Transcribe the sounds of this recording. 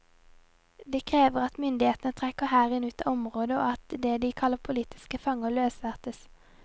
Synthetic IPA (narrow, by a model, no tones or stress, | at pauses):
d̪eːkʰʁeːʋəʁɑt̪mʏnd̪ɪheːt̪nət̪ʰʁɛkəhæːʁɪnʉːt̪ɑʔɔmʁoːd̪əo̰ːɑt̪d̪eːd̪iːkʰɑlːəpʰʊliːt̪ʰɪ̥skəfɑŋəløːsʋæʁt̪əs